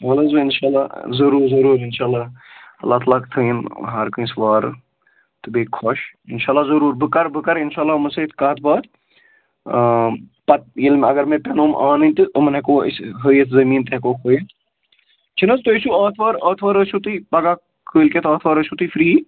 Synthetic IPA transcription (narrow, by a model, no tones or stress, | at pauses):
ɐlɐzɨɪnʃaːla̰ːzɐɾuːɾzɐɾuːɾɪnʃaːlːaːɐ̰lːaːt̪lɐkt̪ʰəinɦɐɾkɨĩsʋaːɾ̰ | t̪ɨbeːkʰɔʃɪnʃaːlːaːzɐɾuːɾbɨkɐɾbɨkɐɾɪnʃaːlːaːmɐset̪kaːt̪̚ʰbaːt̪ | pɐt̪̚jilmɐɡɐɾmẽpenoːmʔa̰ːnɨnʲt̪ɨomɐnekoːḭsɦəjet̪ʰzɐmiːnt̪eɦkoːkʰoːjet̪ | t͡ʃʰinɐzt̪oisuaːt̪ʰʋaːɾɐːt̪ʰʋaːɾəʃʰut̪ipɐɡaː | kʰəːlket̪ʰaːt̪ʰʋaːɾəʃut̪ifɾiː